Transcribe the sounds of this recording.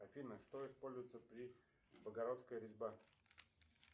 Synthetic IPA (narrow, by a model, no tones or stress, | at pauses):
ɐfʲinəʂt̪oɪspolʲzʊjt̪səpɾʲi | bəɡɐɾot̪skəjɾʲɪzʲba